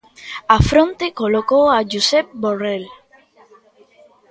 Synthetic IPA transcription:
afɾõnt̪ekolokowaʒusɛp̚borel

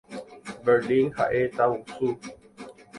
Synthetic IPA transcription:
bədiŋha̰ʔet̪awusu

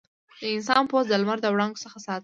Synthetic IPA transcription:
d̪̥əɪnsɑnpozd̪əlmaɾd̪əwɽɑŋɡo̥səxasɑt̪

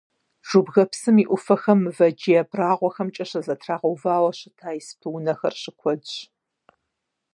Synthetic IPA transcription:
ʒ̥ubɣɐpsɨmiːʔʷʊfɐxɐmɨvɐd͡ʒijɛpʰraːʁʷɔxɐmt͡ʃʼɐɕɐzɐtʰraːʁɐwvaːwɐɕɪtʰaːjspʰɨwʊnɐxɐ̰rɕɪkʷʰɔdɕ

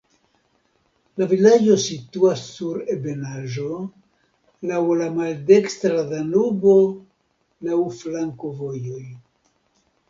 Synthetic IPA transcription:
lavilad͡ʒo̞situasːuɾebe̞naʒo̞ | lawlamalde̞kstɾadanubo̞ | lawflaŋkovo̞jo̞j

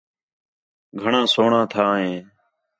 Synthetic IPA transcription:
ɡʱəɳãːsoːɳãːt̪ʰaːɦẽː

